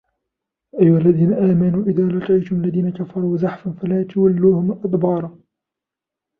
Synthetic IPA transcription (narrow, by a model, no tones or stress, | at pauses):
ʔajːʊhalːaðiːnaʔaːmanuːʔɪðaːlɑqijt̪ʊmalːaðiːnakafɑɾˤuːzaħfanfalaːt̪awalːuːhʊmʔad̪bɑːɾˤɑ